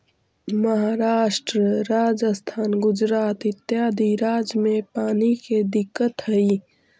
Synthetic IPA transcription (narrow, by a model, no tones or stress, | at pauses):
məɦaːɾaːʃʈɾəɾaːd͡ʒəst̪ʰaːnɡʊd͡ʒɾaːt̪ɪt̪jaːd̪ʱiɾaːd͡ʒmẽpaːniked̪ɪkːət̪ɦəi